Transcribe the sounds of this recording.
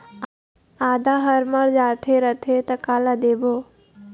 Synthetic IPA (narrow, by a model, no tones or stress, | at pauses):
aːd̪aɦəɾməɭd͡ʒaːt̪ʰeɾət̪ʰet̪əkaːlad̪eːbʱoː